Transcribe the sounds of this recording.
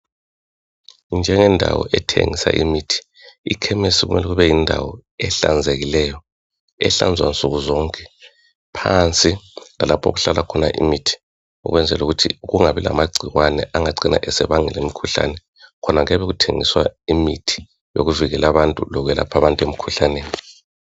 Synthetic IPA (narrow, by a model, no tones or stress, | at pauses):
nd͡ʒʱɛŋɛndʱa̰wɔ̰ʔɛtʰḛŋisa̰ʔḭmitʰi̥ | ikʰɛmesiɣṵmɛlɛɣuβɛjindʱawɔɛɬa̰nd͡zʱeɣilɛjɔ | ɛ̰ɬand͡zʱwa̰nt͡sʼuɣuzɔːŋkʼɛ̥ | pʰant͡sʼilalapʰo̰ɣuɬalʔakʰɔnaʔḭmitʰi̥ | ṵɣwɛnd͡zʱɛluɣutʰḭɣuŋaβila̰maɡ͡ǀʱiwanɛ̰ʔaŋaǀina̰ʔɛsɛβaŋɛlemikʰuɬa̰nɛ | kʰɔnaŋɛβɛɣutʰeŋiswaimitʰi̥ | jo̰ɣuviɣɛlaβantʼṵlɔɣɛla̰pʰaβantʼwemikʰuɬaneːni